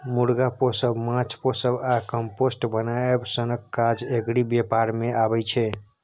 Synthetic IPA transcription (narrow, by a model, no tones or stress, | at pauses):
muɾɡaposəbmãt͡ʃʰposəbakəmposʈbənaebsənəkkːad͡ʒeɡɽibjepaɾmeabɛt͡ʃʰɛ